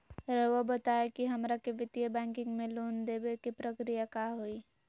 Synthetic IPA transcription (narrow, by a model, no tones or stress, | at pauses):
ɾəʋəbət̪aekiɦəmɾakebɪt̪jəbɛ̃ːŋkɪ̃ŋɡmẽloːnd̪ebekipɾəkɾijakaɦoi